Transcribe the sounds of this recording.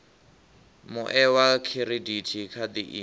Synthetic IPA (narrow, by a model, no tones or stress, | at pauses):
mʊʔɛwakʰiɾiditʰikʰad̪iʔḭ